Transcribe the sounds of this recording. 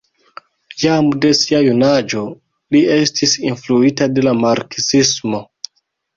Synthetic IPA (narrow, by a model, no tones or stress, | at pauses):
jamde̞siajunad͡ʒo̞ | lie̞stisinfluitade̞lamaɾksismo̞